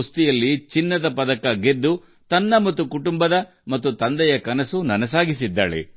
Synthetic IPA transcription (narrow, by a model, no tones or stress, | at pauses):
st̪ijɐlːit͡ʃinːɐd̪ɐpɐd̪ɐkɐɡed̪ːu | t̪ɐnːɐmɐt̪ːukuʈumbɐd̪ɐ | mɐt̪ːut̪ɐnd̪ɛjɐkɐnɐsunɐnɐs̬aːɡis̬id̪ːaːɭḛ